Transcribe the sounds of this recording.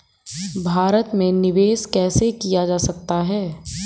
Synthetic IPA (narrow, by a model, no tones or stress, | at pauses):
bʱaːɾət̪mẽnɪʋeːskɛːsekijad͡ʒaːsɐk̚t̪aɦɛː